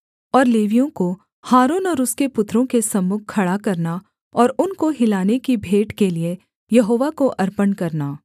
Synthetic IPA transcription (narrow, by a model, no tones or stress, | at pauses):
ɔːɾleːʋijõko | haːɾoːnɔːɾʊskepʊt̪ːɾõkesɐmːʊkkʰːɐɽakɐɾna | ɔːɾʊnkoɦɪlaːnekibʱeːʈkelie | jɐɦoːʋakoʔɐɾpənkɐɾnaː